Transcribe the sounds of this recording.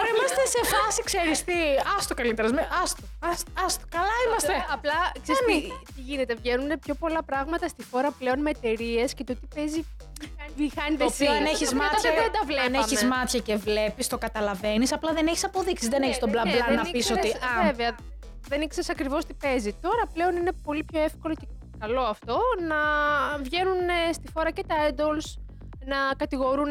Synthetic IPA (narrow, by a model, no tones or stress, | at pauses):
ɾemɐst̪esefɐsikseɾist̪iɐst̪okɐlit̪eɾɐzmeɐst̪oɐsɐst̪okɐlɐimɐst̪eɐplɐksesit̪iʝinet̪e̞vʝe̞nunepço̞po̞lɐpɾɐɣmɐt̪ɐst̪ixo̞ɾɐpleo̞nmeːt̪e̞ɾie̞scet̪ot̪ipe̞zi | ɐnixɐniðesineçizmɐt̪eðend̪ɐvlenemizmɐt̪çɐcevle̞pist̪o̞kɐt̪ɐlɐve̞nisɐplɐðeneçi̥sɐpo̞ðiksizðeneçist̪oblɐnlɐnɐisot̪iɐveveɐ | ðe̞nikseɾsɐkɾivo̞st̪i̥pe̞zit̪o̞ɾɐple̞o̞ninepo̞lipço̞e̞fko̞lo̞ce | kɐlo̞ɐft̪o̞nɐvʝe̞nunst̪ifo̞ɾɐce̞t̪ɐed̪o̞ls | nɐkɐt̪iɣo̞ɾun